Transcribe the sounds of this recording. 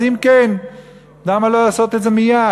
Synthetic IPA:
imken | d̪amaloasot̪ezɐmija

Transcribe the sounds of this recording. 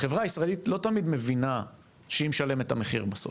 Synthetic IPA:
aχe̞vʁaːisʁaelitlo̞tamid̪me̞vina | ʃeimʃale̞methameχḭʁbaso̰

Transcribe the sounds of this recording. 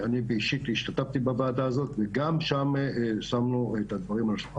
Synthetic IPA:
anibeiʃit̪hiʃt̪at̪aft̪ibabaːdaːzo̞t̪veɡamʃamsamnuet̪ad̪vaʁimalaʃ

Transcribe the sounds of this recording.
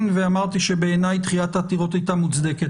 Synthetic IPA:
nveamaʁt̪iʃebe̞ːnajt̪χilat̪at̪iʁo̞t̪ajt̪amut͡sd̪eket

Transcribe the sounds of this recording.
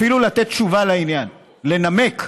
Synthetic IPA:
filulat̪e̞t̪̚t͡ʃuvalainjan | le̞name̞k

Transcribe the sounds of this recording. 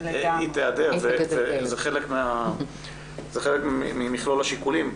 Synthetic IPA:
it̪ead̪eʁvevvezeχele̞kmea | z̥eχelekmimiχlolaʃikulim

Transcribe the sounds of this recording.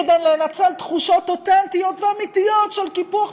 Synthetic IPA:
ed̪ejlenat͡selt̪χuʃotot̪ɛnt̪ijo̞t̪veamit̪ijotʃelkipuaχ

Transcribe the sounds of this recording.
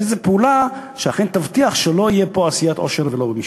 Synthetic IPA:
ezepeulaʃeaχent̪avt̪iaχʃelo̞ijepoasijat̪ʔo̞̰ʃe̞ʁvelo̞bemiʃ

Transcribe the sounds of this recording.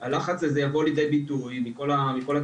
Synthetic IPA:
alaχat͡slezejavo̞lid̪e̞jbit̪ujmiko̞lamiko̞la

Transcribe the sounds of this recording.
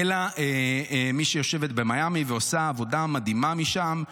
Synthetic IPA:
elaemiʃejo̞ʃe̞vet̪̚bemajamiveosaːvo̞damad̪imamiʃam

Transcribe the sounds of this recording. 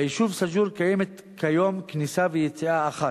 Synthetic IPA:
jiʃuvsad͡ʒuɾkajemet̪ | kʰajo̞mknisavejet͡siaːχa

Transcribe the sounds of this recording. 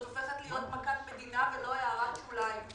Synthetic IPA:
ofeχet̪lijot̪makat̪med̪inaveloajaʁatulaj

